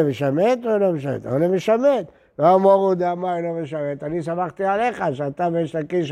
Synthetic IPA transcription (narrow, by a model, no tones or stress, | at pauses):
emeʃamet̪olomeʃamḛt̪o̰nemeʃamet̪ | lomoʁud̪eamajlomeʃamet̪anisamaχt̪ialeχaʃeat̪abeʃakiʃ